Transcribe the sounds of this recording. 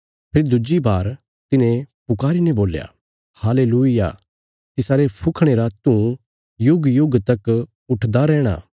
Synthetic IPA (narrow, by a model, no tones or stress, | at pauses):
pʰɪɾd̪ʊd͡ʒibʱaːɾ | t̪ɪnẽpʊkaːɾinɛ̃boːlja̰ | haːleːluija̰ː | t̪ɪsaːɾepʰʊkʰɽ̃eːɾat̪ũ | jʊɡjʊɡt̪ɐk | ʊʈʰd̪aɾɛːɽ̃a̰ː